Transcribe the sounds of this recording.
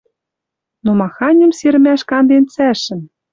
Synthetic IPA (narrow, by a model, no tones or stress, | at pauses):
nomɑxɑnʲə̆mseɾɘ̆mæʃkɑnd̪ent͡sæʃɘ̆n